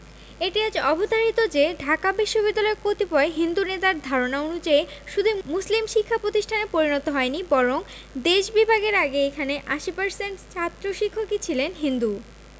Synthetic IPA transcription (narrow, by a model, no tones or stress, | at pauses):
eʈiad͡ʑɔbʱot̪aɾit̪od͡ʑeɖʱakabiʃːobid̪ːalɔeɾpot̪ipɔeɦind̪unet̪aɾd̪ʱaɾonaonud͡ʑaeʃud̪ʱumuslimʃikʰːapɾot̪iʃʈʰanepoɾinɔt̪oɦɔenibɔɾoŋ | d̪eʃbibʱaɡeɾaɡeekʰaneʔaʃipaɾseɳʈt͡ɕʰat̪ːɾoʃikʰːokit͡ɕʰilenɦind̪u